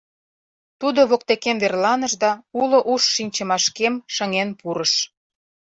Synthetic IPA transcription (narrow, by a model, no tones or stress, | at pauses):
t̪ud̪oβok̚t̪ekemverlɑnəʃd̪ɑulŏʔuʃːinʲt͡ɕə̆mɑʃkemʃə̆ŋenpuɾəʃ